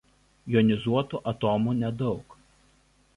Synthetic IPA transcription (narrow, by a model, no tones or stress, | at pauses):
jɔnʲɪzuɔt̪uʔɐt̪oːmuːnʲɛd̪ɒʊk